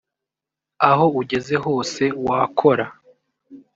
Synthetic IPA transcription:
aɦo̞uɟe̞ze̞ho̞ːse̞waːkʰo̞ɾa

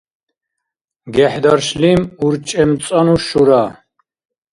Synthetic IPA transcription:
ɡɛħd̪aɾʃlimuɾt͡ʃʼɛmt͡sʼanuʃuɾa

